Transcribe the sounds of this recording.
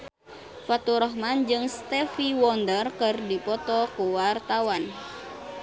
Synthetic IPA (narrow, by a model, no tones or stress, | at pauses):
fat̪uɾɔɦmand͡ʒɨŋst̪ɛfiwɔndərkɨrdipɔt̪ɔkuwart̪awan